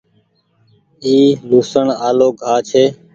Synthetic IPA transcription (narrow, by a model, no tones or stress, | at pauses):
iːluːsəɳaːloːɡʱaːt͡ʃʰeː